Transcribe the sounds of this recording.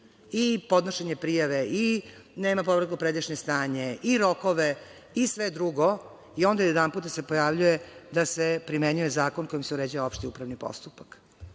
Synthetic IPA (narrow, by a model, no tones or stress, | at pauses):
ipo̞d̪noʃeɲepɾijaʋeineːmapobɾekupɾed̪iʃɲest̪aːɲeʔiɾokoʋe | isʋed̪ɾuɡo | io̞nd̪ajjed̪amput̪d̪ase̞pojaʋʎujed̪asepɾimeɲujezaːkonko̞jimseuɾeːd͡ʑaʋaopʃt̪iupɾaʋnipo̰st̪upak